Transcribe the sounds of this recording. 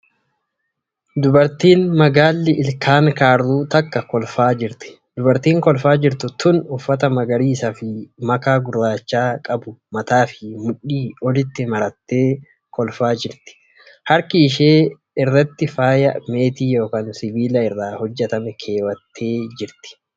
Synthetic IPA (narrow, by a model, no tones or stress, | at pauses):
d̪ʊbɐɾt̪iːnmɐɡaːlːɪʔɪlkʰaːŋkaːɾðuːt̪ɐkːɐkɔlfaːd͡ʒɪɾt̪ɪ̥ | d̪ʊbɐɾt̪iːŋkɔlfaːd͡ʒɪɾt̪ʊt̪ʊnʊfːɐt̪̬ɐmɐɡɐɾiːsɐfɪmɐkaːɡʊrːaːt͡ʃːaːkʼɐbʊmɐt̪aːfɪmʊᶑːiːɔlɪt̪ːɪmɐɾɐt̪ːe̞ː | kɔlfaːd͡ʒɪɾt̪ɪ̥ | hɐɾkɪːʃeː | ɛrːɐt̪ːɪfaːjɐ̰me̞ːt̪iːjo̞ːkaːnsɪbiːlɐɪrːaːhɔd͡ʒːɛt̪ɐmɛkʰe̞ːwɐt̪ʰːe̞ːd͡ʒɪɾt̪ɪ̥